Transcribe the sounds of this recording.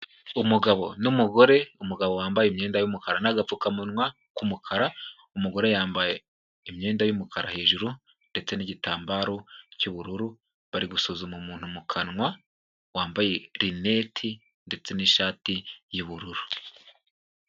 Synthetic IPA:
umuɡaβo̞numuɡo̞ɾe̞umuɡaβowaːmbajemɲe̞ːndajumukaɾanaɡap͡fukamunŋwa | kumukʰaɾa | umuɡo̞ɾe̞jaːmbaje | imɲe̞ːndajumukʰaɾa̰he̞ːʒuɾu | nde̞t͡se̞niɟitaːmbaːɾo̞cuβuɾuɾu | βaɾiɡusuzumumuːn̥humukʰanŋwa | waːmbaje̞ɾine̞tʰi | nde̞t͡se̞niʃaːtijuβuɾuɾu

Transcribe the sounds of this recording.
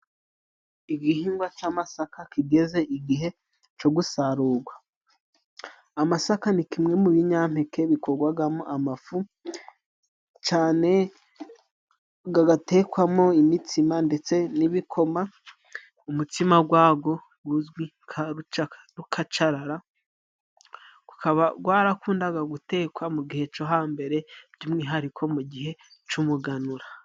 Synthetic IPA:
iɡihiːŋɡwat͡ʃamasakakiɡe̞ze̞ʔiɡiɦe̞ | t͡ʃoɡusaɾuːɡwa | masakanikimŋe̞muβiɲam̥hekʰe̞βikʰoɡwaɡamoʔamafu | t͡ʃaːne̞ | ɡaɡate̞ːkwamo̞imitʰimande̞t͡se̞niβikʰo̞ma | umutimaɡwaːɡo̞ | ɡ̥uzɡwi | kʰaɾut͡ʃakɾukʰat͡ʃaɾaɾa | ɡ̥ukʰaβaɡwaːɾakuːndaɡaɡute̞ːkwamuɡihe̞t͡ʃo̞ɦaːmbe̞ɾe̞bɟumŋiːɦaɾikʰo̞muɡiɦe̞t͡ʃumuɡanuɾa

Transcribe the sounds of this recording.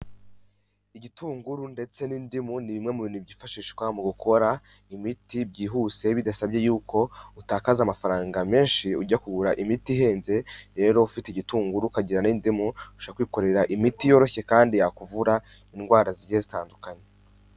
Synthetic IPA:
iɟitʰuːŋɡuɾunde̞t͡se̞niːndimuniβimŋe̞muβinubɟiːfaʃiːʃkwamuɡukʰo̞ɾa | imitibɟiːɦuːse̞βidasabje̞juːkʰo̞utaːkazamafaɾaːŋɡame̞ːnʃiuɟakuɡuɾaʔimitiɦe̞ːnze̞ɾe̞ːɾo̞ufiteiɟituːŋɡuɾukaɟiɾaniːndimuuʃoakwiːko̞ɾe̞ɾaʔimitijo̞ɾo̞çe̞kaːndijakuvuɾa | inɡwaːɾaziɟezitaːndukaɲe

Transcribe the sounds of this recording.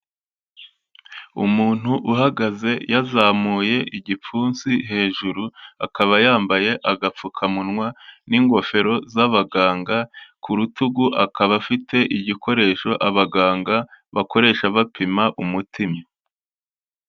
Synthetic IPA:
ṵmuːn̥huʔuɦaɡaze̞jazaːmuːje̞ʔiɟip͡fuːnsiɦe̞ːʒuɾuakaβajaːmbaje̞ʔaɡap͡fukʰamunŋwaniːŋɡo̞fe̞ɾo̞zaβaɡaːŋɡakuɾutuɡuʔakaβafite̞ʔiɟiko̞ɾe̞ːʃo̞ʔaβaɡaːŋɡaβako̞ɾe̞ːʃaβapʰimaʔumutʰima

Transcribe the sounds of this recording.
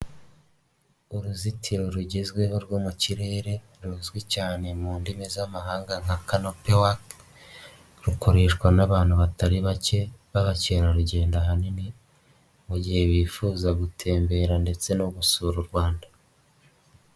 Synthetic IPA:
uɾuzitʰiɾo̞ɾuɟezɡwe̞ɦoɾɡwoːmuciɾe̞ːɾe̞ | ɾuzɡwecaːne̞muːndimezamaɦaːŋɡaŋakanopewak | ɾukoɾeʃkwanaβaːn̥huβataɾiβace̞βaβaceːɾaɾuɟe̞ːndaɦanini | muɟihe̞βiːfuːzaɡutʰe̞ːmbe̞ɾande̞t͡se̞noβusuːɾuɾɡwaːnda

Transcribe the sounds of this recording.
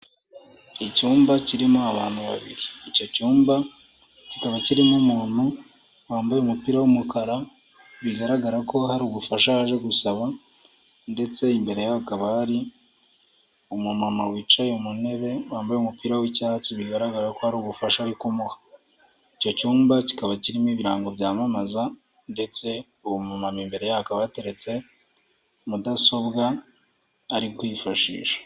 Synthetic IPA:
icuːmbaciɾimuaβaːn̥huβa̰βḭɾiːco̞cuːmba | cikaβaciɾimumuːn̥hu | waːmbajeumupiːɾawumukaɾa | βiɡaɾaɡaɾako̞haɾuɡufaʃahaʒe̞ɡusaβa | nde̞t͡se̞imbe̞ɾe̞jaβakaβaɾi | umumamawiːt͡ʃajeumune̞βe̞waːmbajeumupiːɾawicaːt͡siβiɡaɾaɡaɾako̞haɾuɡufaʃaːɾikumuhḁ | icocuːmbaci̥kaβaciɾimiːβiɾaːŋɡo̞βjaːmamaza | nde̞t͡se̞ | uβumamamimbe̞ɾe̞jaakaβate̞ɾe̞t͡se̞ | mudaso̞βɡaː | ɾikwifaʃḭːʃḁ

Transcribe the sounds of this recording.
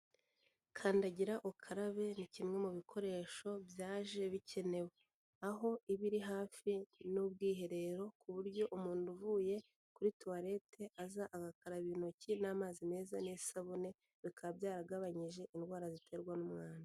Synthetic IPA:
kʰaːndaɟiɾaʔukʰaɾaβe̞nicimŋe̞muβikʰo̞ɾe̞ːʃo̞bjaːʒe̞βicʰe̞ne̞we | aɦo̞iβiɾiɦaːfinub̚ɡiːɦe̞ɾe̞ɾo̞kuβuɾɟo̞ʔumuːnduvuje̞ | kuɾituaɾe̞tʰe̞ʔazaʔaɡakaɾaβino̞cinaːmaːzime̞ːzanesaβone̞ | βikʰabjaːɾaɡaβaɲiʒe̞ʔinɡwaːɾazitʰeɾɡwanumŋaːna

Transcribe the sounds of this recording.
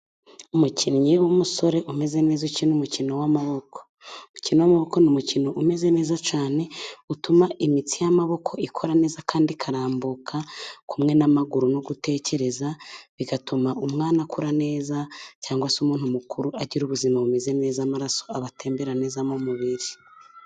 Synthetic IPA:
umucʰinɲewumuso̞ɾe̞ʔume̞ze̞ne̞ːzucinumucino̞wamaβo̞ko̥ | mucinowamaβo̞ko̞numucino̞ʔume̞ze̞ne̞ːzat͡ʃaːne̞utumaʔimit͡sijamaβo̞kʰo̞ikʰoɾane̞ːzakʰaːndikʰaɾaːmbukʰakumŋe̞namaɡuɾunoɡute̞ːce̞ɾe̞zaβiɡatumaumŋaːnakuɾane̞ːzacaːŋɡwasumuːn̥humukuɾuaɟiɾuβuzimaβume̞ze̞ne̞ːzamaɾaso̞̥aβateːmbeɾane̞ːzamomuβiɾi

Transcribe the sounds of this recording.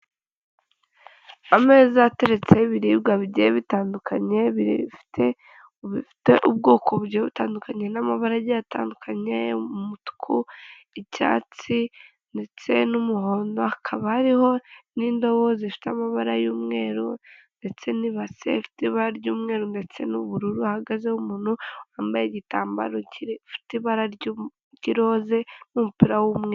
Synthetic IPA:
ame̞ːzate̞ɾe̞t͡se̞βiɾiːb̚ɡaβɟieβitaːndukʰaɲe̞βiɾḭfi̥tʰe̞ | uβifi̥te̞ʔub̚ɡo̞ːkʰoβuɾɟieβutaːndukaɲe̞namaβaɾajata̰ːndukʰaɲeumutu̥kʰu | ica̰ːt͡si | nde̞t͡se̞numuhoːndoakʰaβahaɾiho̞nindo̞βozefi̥tamaβaɾajuːmŋe̞ːɾunde̞t͡se̞niβasḛfi̥tiβaɾaɾɟuːmŋe̞ːɾunde̞t͡se̞nuβuɾuɾuahaɡazehumuːnoaːmbajeɟitaːmba̰ɾoifi̥tiβaɾaɾɟ | ɟiɾo̞ːze̞mumupiɾawumŋeːɾ

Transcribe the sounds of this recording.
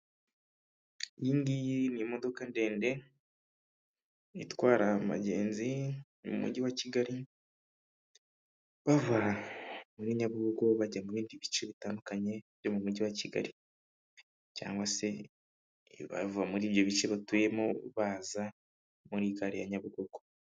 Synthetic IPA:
jiːŋɡiniemo̞do̞kande̞ːnde̞ | itwaːɾama̰ɟe̞ːnzi | mṵmṵɟiwaciɡaɾi | βavuamuɾiɲaβuɡoɡo̞βaɟamuβiːndiβit͡ʃeβitaːndukaɲe̞βjo̞mumuɟiwaciɡa̰ɾi | ca̰ːŋɡwase̞ | βa̰vuamuɾiːβjo̞βit͡ʃeβatuemoβaːza | muɾiːkaɾija̰ɲaβuɡoɡ̥o

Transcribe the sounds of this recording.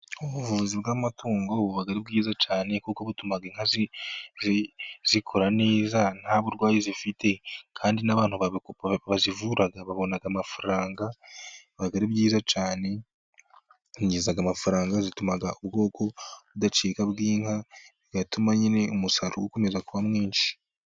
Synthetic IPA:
uβuvuvuzibɡaːmatuːŋɡo̞βuβaɡaɾibɡiːzat͡ʃaːne̞kukoβutumaɡiŋ̥haziziz̥ikʰoɾane̞ːzan̥haβuɾɡwaːjizifitʰe̞kʰaːndinaβaːn̥huβaββazivuɾaɡaβaβo̞naɡamafaɾaːŋɡaβaɡaɾibɡiːzat͡ʃaːne̞ | ɲɟiːzaɡamafuɾaːŋɡazitumaɡaubɡo̞ːkʰo̞βudat͡ʃeːkabɡiːŋhaiɡatumaɲine̞umusaɾṵwokomezakuβamŋiːnʃi̥

